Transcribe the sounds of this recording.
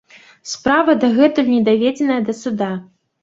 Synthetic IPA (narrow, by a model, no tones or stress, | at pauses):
spɾavɐd̪ɐɣɛt̪unʲɛd̪avʲɛd͡zʲɛnɐjɐd̪ɐsud̪a